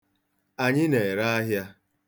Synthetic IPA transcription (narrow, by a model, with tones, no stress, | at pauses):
a˨ɲɪ˦ne˨ɾa˦a˦ɦja˦